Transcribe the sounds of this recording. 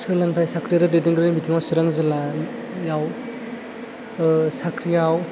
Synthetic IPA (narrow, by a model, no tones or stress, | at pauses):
sɯlaŋtʰajsakʰɾijaɾɯdediŋɡɯɾnimitʰumasɯɾaŋzɯla | jaw | sakʰɾijaw